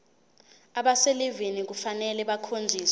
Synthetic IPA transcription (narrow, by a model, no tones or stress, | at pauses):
aɓaselivinik̬ufanɛlɛɓakʰond͡zʱiːs